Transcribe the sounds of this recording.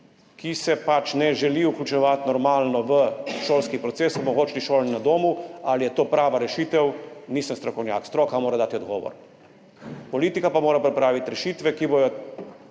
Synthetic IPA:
kʰisɛpat͡ʃnɛʒɛliuklʲut͡ʃɛʋat̪nɔɾmaːlnɔʋəʃoːlskipɾɔt̪seːsɔbɔxoːt͡ʃliʃoːlninad̪oːmualijɛt̪oːpɾaːʋaɾɛʃiːt̪ɛwniːsənmst̪ɾɔkɔwnʲja̰ːkst̪ɾoːkamoːɾad̪aːt̪iɔd̪ɡɔːʋɔ̰ɾ | pɔliːt̪ikapamoːɾapɾɛpɾaːʋit̪ɾɛʃiːt̪ʋɛkibɔjɔ

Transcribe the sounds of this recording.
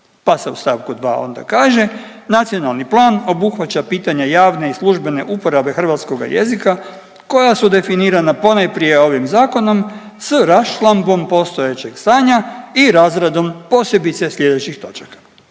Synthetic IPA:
pase̞ust̪aːʋkud̪ʋa̰ːo̞̰nd̪a̰kaːʒe̞nat̪sio̞nalˠniplˠaːno̞buxʋat͡ɕapiːt̪aɲejaːʋne̞islˠuʒbe̞ne̞ʔupo̞ɾabe̞xr̩ʋaːt̪sko̞ɡa̰je̞zika | ko̞jasud̪e̞finiːɾanapo̞najpɾije̞o̞ʋimzaːko̞no̞m | sɾaʃlˠambo̞mpo̞st̪o̞jet͡ɕe̞ɡ̥st̪aːɲaiɾaːzɾad̪o̞mpo̞ːsje̞bit̪se̞sʎʲe̞d̪et͡ɕixt̪o̞t͡ʃḁkḁ

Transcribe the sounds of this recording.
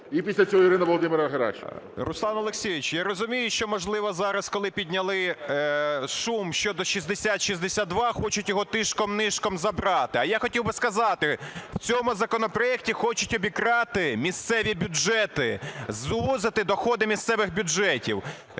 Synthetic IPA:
ipʲisʲlʲɐt͡sʲɔɦɔiɾɪnɐʋɔlˠɔd̪ɪmɪɾɐɦɐɾa̰ʃrʊslˠɑnɐlˠeksʲijɪt͡ʃjaɾɔzʊmʲijʊʃt͡ʃɔmɔʒlˠɪʋɔzɑɾɐskɔlˠɪpʲidʲnʲɐlˠɪ | ʃumʃt͡ʃɔd̪ɔʃizd̪esʲat̪ʃizd̪esʲad̪̚d̪ʋɑxɔt͡ʃʊtʲjɔɦɔt̪ɪʃkɔmnɪʃkɔmzɐbɾɑt̪ɪɐjaxɔtʲiwbɪskɐzɑt̪ɪw̥t͡sʲɔmʊzɐkɔnɔpɾɔjɛk̚tʲixɔt͡ʃʊtʲɔbʲikɾɑt̪ɪmʲist̪sɛʋʲibʲʊd͡ʒɛt̪ɪzʋuzɪt̪ɪd̪ɔxɔd̪ɪmʲist̪sɛʋɪxbʲʊd͡ʒɛtʲḭw

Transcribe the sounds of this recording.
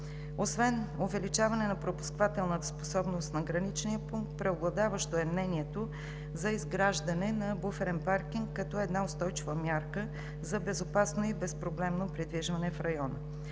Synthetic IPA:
osvɛnovɛlit͡ʃavɐnɛnɐpɾopu̥skvat̪ɛlˠnət̪ə̥spo̥sɔbnost̪nɐɡɾɐnit͡ʃnijəpuŋk̚t̪̚pɾɛoblˠɐd̪avəʃt̪oɛmnɛniɛt̪o | zɐizɡɾaʒd̪ɐnɛnɐbufɛɾɛnpaɾkiŋkːɐt̪ɔɛd̪naost̪ɔjt͡ʃivəmʲjaɾkə | zɐbɛzopasnoibɛspɾoblɛmnopɾid̪viʒvɐnɛfɾɐjɔnə̰

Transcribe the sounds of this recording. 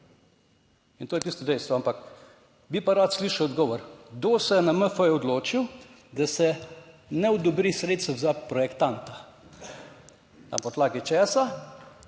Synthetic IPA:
int̪oːjɛtiːst̪ɔd̪ɛjst̪ʋɔampak | bipaɾat̪sliːʃɐwɔd̪ɡɔːʋɔɾɡd̪oːsɛjɛnaməfəjɛɔd̪loːt͡ʃiw | d̪asɛ | nɛɔd̪ɔbɾisɾeːt̪st̪wzapɾɔjɛkt̪ant̪a | t̪a̰mpɔt̪laːɡit͡ʃɛːsa

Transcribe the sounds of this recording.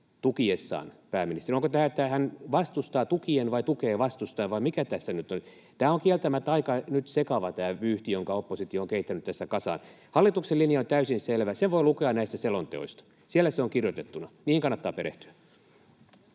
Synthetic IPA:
t̪ukiesːɑ̰ːnpæːmːinist̪erioŋkot̪æːet̪ːæhænʋɑst̪ust̪ɑːt̪ukienʋɑit̪ukeːʋɑst̪ust̪ɑenʋɑimikæt̪æsːænyt̪on | t̪æːoŋkielt̪æmæt̪ːɑikɑnyt̪sekɑʋɑt̪æːʋyːht̪ijoŋkɑopːosit̪ioːŋkeit̪ːænyt̪t̪æsːækɑsɑ̰ːn | hɑlːit̪ukselːinjɑont̪æysinselʋæseʋʋoilukeɑnnæist̪æselont̪ḛo̰ist̪ɑ̥ | sielːˑæseoŋkirjot̪et̪ːunɑniːŋkɑnːɑt̪ːɑ̰ːpeɾḛht̪y̥æ

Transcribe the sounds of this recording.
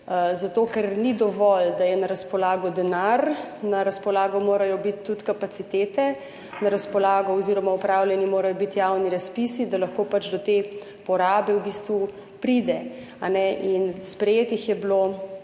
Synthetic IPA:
zat̪oːkɛɾnid̪ɔʋɔld̪ajɛnaɾaspɔlaːɡɔd̪ɛnaɾnaɾaspɔlaːɡɔmoːɾajɔbit̪ːut̪kapat̪sit̪eːt̪ɛ | naɾaspɔlaːɡɔɔziɾɔmaupɾawlʲjɛnimoːɾajɔbit̪jawniɾaspisid̪alɐxkoːpat͡ʃd̪ɔt̪e | pɔɾaːbɛwbist̪ʋu | pɾid̪ɛ | anɛʔinspɾɛjeːt̪ixjɛbloː

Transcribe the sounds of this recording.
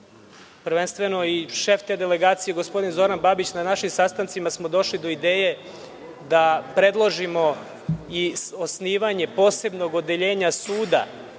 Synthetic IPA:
pɾ̩ʋe̞nst̪ʋe̞no̞iʃeft̪ed̪ele̞ɡaːt̪sije̞ɡo̞sp̞d̪inzo̞ɾanbabit͡ɕnanaʃimsast̪ant̪simasmo̞d̪o̞ʃlid̪o̞id̪eːje̞ | d̪apɾe̞d̪lˠo̞ʒimo̞ | iosniːʋaɲe̞po̞ːse̞bno̞ɡo̞d̪eʎe̞ːɲasuːd̪a̰

